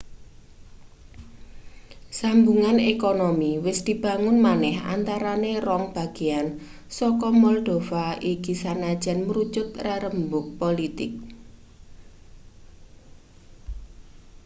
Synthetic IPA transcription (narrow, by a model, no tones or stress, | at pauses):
sambuŋanekonomiwɪsd̪̥i̤b̥a̤ŋʊnmanɛɦa̰nt̪aɾanerɔŋb̥a̤ɡ̥i̤an | sɔkɔmɔld̪̥ofaʔiɡ̥isanad̥ʒ̥anmɾu̥t͡ʃʊt̪̚raɾəmbʊk̚polit̪ɪk̚